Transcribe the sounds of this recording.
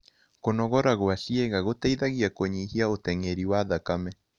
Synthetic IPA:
konɔɣɔɾaɣoaʃieɣaɣotaiðaɣiakoɲihiaotɛŋeɾiwaːðakamɛ

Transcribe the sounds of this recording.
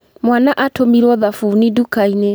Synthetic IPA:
mwanaʔatomiɾwɔðafuːnidukaine

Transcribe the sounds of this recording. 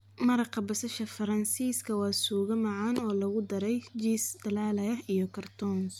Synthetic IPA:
mɐɾɐqʰɐbɐsɐʃɐfɐɾɐnsiːskʰɐwɑːsuːɣɐmɑʕɑːnɔːlɐɣʊd̪ɐɾɛjd͡ʒiːsd̪ɐlaːlɐjɐhijɔkʰɐrt̪ʰɔːns

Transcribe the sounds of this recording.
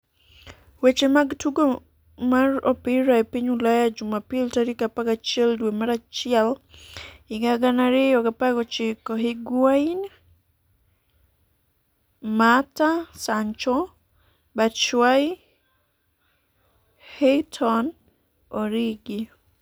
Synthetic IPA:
wet͡ʃemaɡtuɡo | maɾopɪɾaepiɲulajad͡ʒumapiltaɾikapaɡat͡ʃɪɛldwemaɾat͡ʃɪɛl | ɪɡaɡanaɾɪjɔkapaɡɔt͡ʃɪkɔɦiɡwain | matasaɲt͡ʃɔ | bat͡ʃwai | hetʰɔn | oɾiɡi

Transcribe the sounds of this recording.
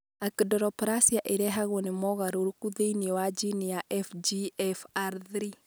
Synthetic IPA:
akdɔɾɔpɾasiaʔeɾɛɦaɣɔnimɔɣaɾoɾukuðeiniɛwad͡ʒinijaʔɛfd͡ʒiɛfaɾðɾi

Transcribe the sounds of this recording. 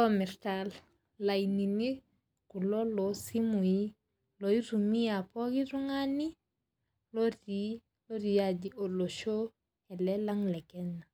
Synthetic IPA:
lɔmɛɾtal | lainini | kulɔlosimui | loiɾumiapɔɡiɾuŋani | loɾi | loɾijaɟioloʃo | ɛlɛlaŋlɛkɛna

